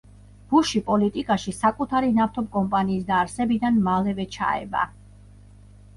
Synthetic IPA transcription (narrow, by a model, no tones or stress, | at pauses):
b̥uʃipʼɔlit̪ʼikʼaʃisakʼut̪ʰaɾinaft̪ʰɔb̚kʼɔmpʼaniːsd̪aːɾsɛbid̪anmalɛvɛt͡ʃʰa̰ɛ̰ba̰